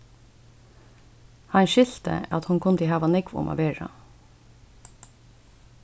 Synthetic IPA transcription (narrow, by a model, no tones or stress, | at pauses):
hɑɲʃʏlt̪ə̰ɑt̪hʊnkʰʊnd̪iːhɑːʋɑnɪɡʋʊ̰mʔɑ̰ʋeːɹɑ̰